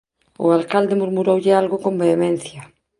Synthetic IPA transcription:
o̰alkald̪emuɾmuɾowʎealɣokombeːmẽn̟θja

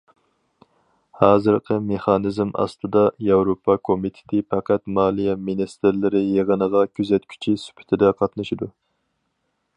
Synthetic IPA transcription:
hɑːzɨɾqʰəmeχɑnɪzmɑ̰st̪ɨd̪ɑjɑwɾopʰɑkʰomit̪ʰɪ̥t̪ʰɪpʰɑqʰæt̪mɑːlˠijɛminist̪ɪɾlɪɾɪjeʁənəʁɑkʲʰyzɛt̪kʲʰy̥t͡ʃʰisy̥pʰɪ̥t̪ʰɪd̪ɛqʰɑt̪nɨʃid̪u

